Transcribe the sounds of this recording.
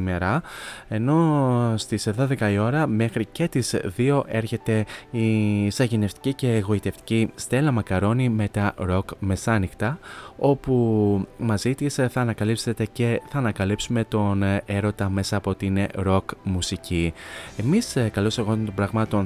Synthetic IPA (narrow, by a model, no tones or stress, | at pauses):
meɾɐe̞no̞st̪isðo̞ðe̞kɐio̞ɾɐme̞xɾice̞t̪izðio̞ʔe̞ɾçe̞t̪e̞isɐʝine̞ft̪i̥cice̞ɣo̞it̪e̞ft̪i̥cist̪e̞lɐmɐkɐɾo̞nime̞t̪ɐɾo̞kme̞sɐnixt̪ɐo̞pumɐzit̪isθɐːnɐkɐlipse̞t̪e̞ce̞θɐːnɐkɐlipsume̞t̪o̞ne̞ɾo̞t̪ɐme̞sɐːpoot̪iineɾo̞kmusicie̞miskɐlo̞seɣo̞t̪o̞bɾɐɣmɐt̪o̞n